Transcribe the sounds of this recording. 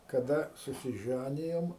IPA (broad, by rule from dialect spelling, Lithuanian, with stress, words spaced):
kɐˈdɐ sʊsʲɪˈʒʲænʲɪjoːm